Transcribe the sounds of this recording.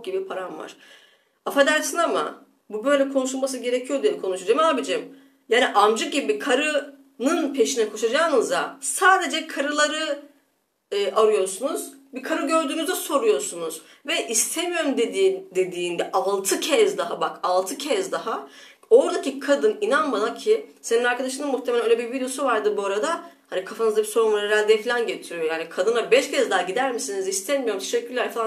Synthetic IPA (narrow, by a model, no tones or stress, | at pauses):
ɟibipʰaɾanva̰ɾ̥ | afad̪æɾsʰɯnama̰ | bubø̞jlʲɛkʰo̞nuʃulˠmas̬ɯɟe̞ɾecʰijo̞d̪ijebikʰo̞nuʃad͡ʒamaːbid͡ʒɛm | jaːniʔamd͡ʒɯk̚ɟibikʰaɾɯ | nɯnpʰe̞ʃinɛkʰo̞ʃad͡ʒaːnɯzasaːd̪e̞d͡ʒɛkʰaɾɯlˠaɾɯ | ʔaɾujo̞ɾsunuz̥bikʰaɾɯɟø̞ɾd̪yːnyzd̪ɛso̞ɾujo̞ɾsunuz | vɛʔist̪ʰemijo̞ɾumd̪ed̪id̪e̞d̪iːnd̪ɛʔalˠt̪ʰɯcʰɛzd̪aɦabakalˠt̪ʰɯcʰɛzd̪aɦa | o̞ɾd̪acikʰad̪ɯninanmad̪acʰiɪseninaɾkʰad̪aʃ̬ɯmnɯnmuxt̪ʰemelʲæøːlʲɛbiɾvid̪eosuvaɾd̪ɯbuaɾad̪ahanikʰafanɯzd̪abiso̞ɾunvaɛɾalʲd̪ɛfilʲænɟet̪ʰiɾijo̞jaːnikʰad̪ɯnabɛʃcʰɛzd̪aɦaɟid̪æɾmisinizist̪ʰɛnmijo̞ɾumt̪ʰeʃɛcːyɾlʲæɾlfalˠa